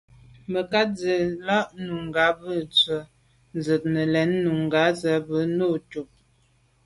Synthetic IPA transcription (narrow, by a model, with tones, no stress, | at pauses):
mə˨ka˦t̚d͡zə˨la˦ʔnu˨ŋ˨ɡa˨˦bə˦˨t͡sə˨ | n̩˨zə˨t̚nə˨lɛ˨˦nːu˨ŋ˨ɡa˨˦zə˨˦bə˨˦no˦˨tu˨p̚